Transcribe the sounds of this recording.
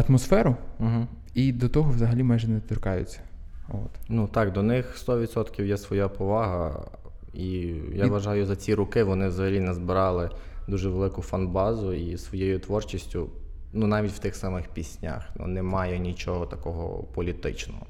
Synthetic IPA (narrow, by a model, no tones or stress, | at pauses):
ɐt̪mɔsfɛɾʊɦ̩ | id̪ɔt̪ɔɦɔʋzɐɦɐlʲimajʒɛnɛt̪ʲirkɑjʊ̰t͡sʲːɐ̥o̰t̪nut̪ɑkd̪ɔnɪxst̪ɔʋʲit̪sɔt̪kʲiwjɛsʋɔjapɔʋɑɦɐ | ijaʋɐʒɑjʊzɐt͡sʲiɾʊkɪʋɔnɪwzɐɦɐlʲinɛzbɪɾɑlˠɪd̪uʒɛʋelˠɪkʊfɐnbɑzʊisʋɔjejʊt̪ʋɔrt͡ʃisʲtʲʊ | nunɑʋʲitʲw̥t̪ɪxsɑmɪxpʲisʲnʲa̰xnṵnɛmɑjɛnʲit͡ʃɔɦɔt̪ɐkɔɦɔ̰pɔlʲit̪ɪ̰t͡ʃnɔ̰ɦɔ